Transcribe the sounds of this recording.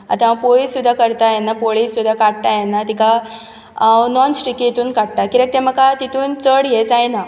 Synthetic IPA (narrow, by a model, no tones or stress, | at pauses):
a̰t̪ãpoisud̪ʱːakəɾt̪ajɛnːapoɭisːud̪ʱːakaɽt̪ajɛnːat̪ika | nɔnsʈɾikːiit̪uːnkaɽ̚t̪akiɾek̚t̪ẽməkat̪it̪uːnt͡səɽjet͡sajna